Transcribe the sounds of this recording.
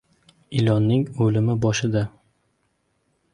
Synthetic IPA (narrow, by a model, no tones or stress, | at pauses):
ɪlɒnːɪŋɵlɪmɪbɒʃɪd̪a